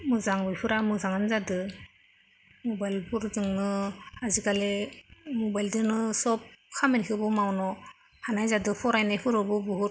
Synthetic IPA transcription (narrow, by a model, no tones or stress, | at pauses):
mɯzaŋbɯjpʰɯɾamɯzaŋanzadɯ | mɔbajlpʰuɾzɯŋnɯazikalemɔbajldɯnɯsɔp̚kʰamenkʰɯbɯmawnɔ | hanajzadɯpʰɔɾajnajpʰɯɾɯbɯbuɦuɾ